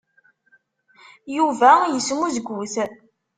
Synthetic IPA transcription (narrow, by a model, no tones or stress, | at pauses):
juvæjəsmuzɡʷuθ